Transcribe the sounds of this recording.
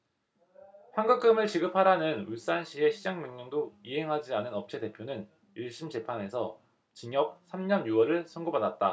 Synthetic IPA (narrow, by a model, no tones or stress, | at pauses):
ɸaŋɡak͈ɯmɯɭt͡ɕiɡɯpʰaɾanɯnus͈anɕʰie̞ɕʰid͡ʑaŋmjeŋɲoŋdoiɦe̞ŋɦad͡ʑianɯnʌp̚t͡ɕʰede̞pʰjonɯn | iɭɕ͈imt͡ɕe̞pʰane̞sʰʌ | t͡ɕiɲjʌk̚sʰamɲʌnjuwʌɾɯɭsʰʌnɡobadat̚t͈a